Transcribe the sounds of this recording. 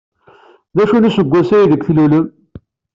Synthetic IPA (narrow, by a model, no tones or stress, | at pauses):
ðæʃunusəɡʷːæsæiðəɡθluləm